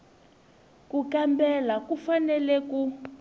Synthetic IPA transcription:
kukambɛlakufanɛlɛku

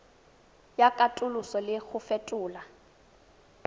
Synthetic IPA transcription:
jakʼatʼʊlʊsɔlɪɣʊfɛtʼʊːla

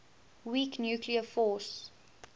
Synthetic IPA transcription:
wiːknjuːkʰliəfɔːˑs

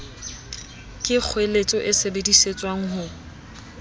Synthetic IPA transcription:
kʼɪk͡xʰwelet͡sʼɔʔɪsebediset͡sʼwaŋ̩ɦʊ

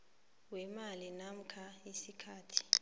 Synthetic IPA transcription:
wɛmalinam̩kʰaisikʰaːtʰi̥

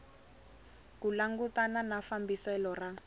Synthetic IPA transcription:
kulaŋɡutananafambisɛlɔra

